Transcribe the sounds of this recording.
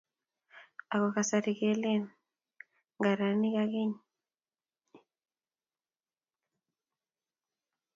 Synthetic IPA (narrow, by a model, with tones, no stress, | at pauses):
a˨kɔ˨ka˨sa˨ɾi˨ke˨li˦˨n | ŋɡa˨ɾa˨ni˦ka˦ki˦ɲ